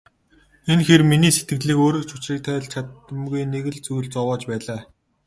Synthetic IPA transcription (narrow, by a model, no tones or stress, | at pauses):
enxerminiːset̪̚ɡɘ̆ɮiːkoːɾɘ̆kt͡ɕʰʊt͡ɕriːk̚t̪ʰæːɮt͡ɕʰat̪ə̆mɡujneɣɘ̆ɮt͡suɣ̆ɮt͡sɔwɔːt͡ɕpæːɮaː